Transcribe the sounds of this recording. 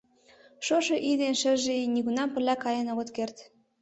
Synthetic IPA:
ʃoʃɤ̆ʔid̪enʃə̆ʒeniɣunɑmpə̆rlʲːækɑjə̆noɣə̆t̪kert̪

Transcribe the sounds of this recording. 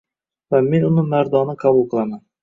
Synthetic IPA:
vamenunɪmaɾd̪ɒnɪqʰɑbulˠqʰɨlˠaman

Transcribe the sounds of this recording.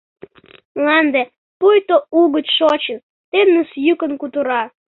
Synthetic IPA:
mlɑnd̪e | pujt̪ouɣətʃot͡ɕən | t̪enːəsjykə̆nkut̪əɾɑ

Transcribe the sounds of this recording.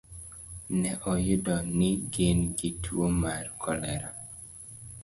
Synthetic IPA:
nɛʔɔjʊdɔnɪɡenɡitʰwomarkʰɔlɛɾa

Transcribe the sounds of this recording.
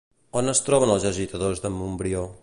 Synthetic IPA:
onəst̪ɾɔβənəlˠzəʒit̪əðozðəmumbɾio

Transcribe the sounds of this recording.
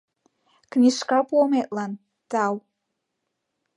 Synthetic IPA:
kʰnʲiʃkapɔmeʔʼlan | taw

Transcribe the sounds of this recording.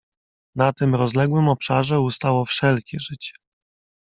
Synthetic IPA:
nat̪ɘmɾɔzlɛɡwɘmɔpʂaʐɛust̪awɔfʂɛlkʲɛʐɘt͡ɕɛ̥

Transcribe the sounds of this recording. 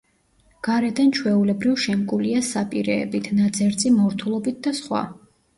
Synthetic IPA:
ɡ̥aɾɛd̪ant͡ʃʰwɛulɛbɾivʃɛmkʼuliasapʼiɾɛ̰ːbit̪ʰnad̪zɛɾt̪zʼimɔɾt̪ʰulˠɔbit̪̚d̪asχwa̰

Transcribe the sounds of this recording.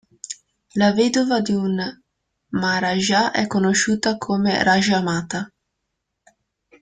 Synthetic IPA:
laveːd̪ovad̪iun | maɾaʒaʔɛkːonoʃuːt̪akʰomḛɾaʒamaːt̪a

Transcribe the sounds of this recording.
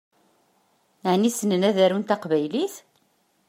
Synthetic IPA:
ʕnisənənæðæɾunt̪ɑqvæjliθ

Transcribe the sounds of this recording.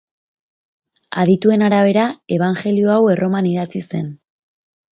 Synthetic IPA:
a̰ðit̪ue̞naɾaβ̞e̞ɾae̞β̞aŋxe̞lio̞awe̞rʔo̞maniðat͡sise̞n

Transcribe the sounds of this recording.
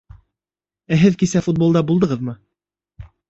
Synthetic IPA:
æɦɘðkisæfut̪̚bo̞lˠd̪ɑbulˠd̪ɤ̆ʁɤðmɤ

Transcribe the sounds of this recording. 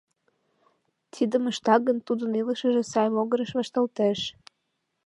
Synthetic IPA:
t̪ʰid̪əməʃt̪ɑɡənt̪ud̪əniləʃəʒĕsɑjmoɣəɾəʃβɑʃt̪ɑlt̪eʃ

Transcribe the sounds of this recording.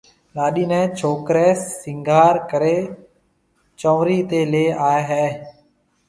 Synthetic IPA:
ɗaːɗiːnɛ̃ːt͡ʃʰoːkɾeːɪ̃ŋɡʱaːɾkəɾeː | t͡ʃõːʋɾiːt̪eːleːaːeɦɛː

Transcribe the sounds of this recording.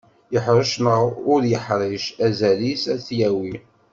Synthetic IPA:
jəħɾəʃnəʁʊɾjəħɾˤiʃæzælisæθjæwi

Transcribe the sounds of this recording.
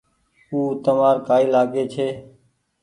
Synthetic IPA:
uːt̪əmaːɾkaːiːlaːɡeːt͡ʃʰeː

